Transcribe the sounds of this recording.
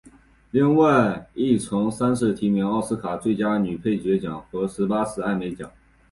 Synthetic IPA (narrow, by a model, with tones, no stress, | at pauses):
li˥˧ŋwa˥˧ɪi˥˩t͡sʰʊ˧˥ŋsa˥nʂɻ̩˥˩t̪ʰi˧˥mjnɑ˥˩ʊsɹ̩˥kʰa˨˩t͡swe˥˩ɪt͡ɕja˥ny˨˩pʰe˥˩ɪt͡ɕɥɛ˧˥t͡ɕjɑ˨˩˦ŋxɤ˧˥ʂɻ̩˧˥pa˥sɹ̩˨˩a˥˩ɪme˧˥ɪt͡ɕjɑ˨˩˦ŋ